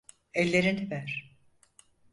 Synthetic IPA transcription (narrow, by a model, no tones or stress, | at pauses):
ɛlʲːeɾinvæɾ̥